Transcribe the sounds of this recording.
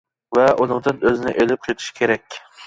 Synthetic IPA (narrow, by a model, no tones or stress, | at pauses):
vɛʔunɨŋd̪ɨnøzɪnɪ̰ʔelɪp̚qʰɨjt̪ʰʊ̥ʃkʲʰeɾɛkʲ